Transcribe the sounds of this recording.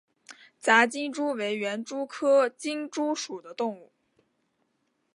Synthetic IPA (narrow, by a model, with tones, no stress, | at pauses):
t͡sa˧˥t͡ɕi˥ŋʈ͡ʂu˥we˧˥ɪɥɛ˧˥nʈ͡ʂu˥kʰɤ˥t͡ɕi˥ŋʈ͡ʂu˥ʂu˨˩d̪ə˦t̪ʊ˥˧ŋu˥˩